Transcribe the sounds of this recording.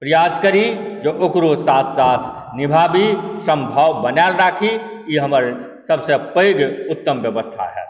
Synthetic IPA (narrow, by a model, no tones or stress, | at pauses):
pɾəjaːd͡ʒkəɾid͡ʒoːʔokɾoːsaːt̪ʰsaːt̪ʰ | nɪbʱaːbisə̃mbʱawbənalɾaːkʰi | iɦɐməɾ | səbsepəjɡʊt̪ːəmʋjəʋəst̪ʰa̰ɦɛ̰ː